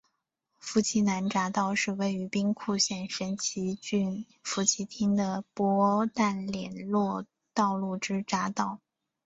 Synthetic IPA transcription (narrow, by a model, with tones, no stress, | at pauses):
fu˥˩t͡ɕʰi˧˥na˧˥nʈ͡ʂa˧˥t̪ɑ˥˧ʊʂɻ̩˥˧we˥˩ɪy˧˥pi˥ŋkʰu˥˧ɕjɛ˥˩nʂə˧˥nt͡ɕʰi˧˥t͡ɕy˥˩n | fu˧˥t͡ɕʰi˧˥t̪ʰi˥ŋd̪ə˨pwɔ˥t̪a˥˩nljɛ˨˩nlwɔ˥˧ | t̪ɑ˥˧ʊlu˥˩ʈ͡ʂɻ̩˥ʈ͡ʂa˧˥t̪ɑ˥˩ʊ